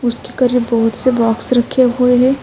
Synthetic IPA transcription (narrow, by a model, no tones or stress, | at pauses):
ʊskekɐɾibɔɦʊt̪sebɔːksɾɐkʰeɦʊeɦɛː